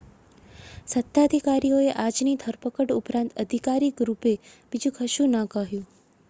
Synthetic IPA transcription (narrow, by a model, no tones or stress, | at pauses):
sət̪ːad̪ʱikaɾioeʔad͡ʒnid̪ʱəɾpəkəʈupɾãnt̪əd̪ʱikaɾikɾupeb̥id͡ʒũkʰəʃũnə̃kəɦjũ